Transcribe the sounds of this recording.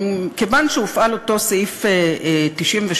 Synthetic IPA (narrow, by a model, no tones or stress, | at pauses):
kevanʃeufʔalo̞to̞sifetiʃʔimveʃ